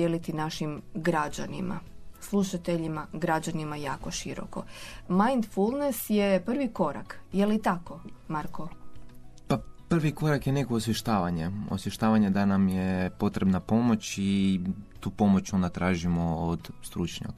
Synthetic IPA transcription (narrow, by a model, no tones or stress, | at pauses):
elit̪inaʃimɡɾad͡ʑanḭma̰slˠuʃat̪eʎimaɡɾad͡ʑanimajaːko̞ʃiɾo̞̰komajnd̪fulˠnesje̞pr̩ʋiko̞ɾa̰kjelit̪ako̞maɾko | papr̩ʋiko̞ɾakjene̞koːsʋjeʃt̪aːʋaɲeo̰sjeʃt̪aːʋaɲed̪anamjepo̞t̪ɾebnapo̞mo̞t͡ɕit̪uːpo̞mot͡ɕond̪at̪ɾaːʒimood̪st̪ɾut͡ʃɲa̰ka